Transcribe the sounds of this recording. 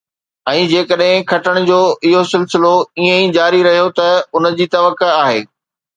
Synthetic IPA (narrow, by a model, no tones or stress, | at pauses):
ɛ̃ːd͡ʑeːkəɗɦɪ̃kʰɐʈəɽ̃d͡ʑoːɪɦosɪlsɪloiẽid͡ʑaːɾiɾɐɦijot̪ɐʊnə̆d͡ʑiːt̪ɐʋəkeaːɦḛː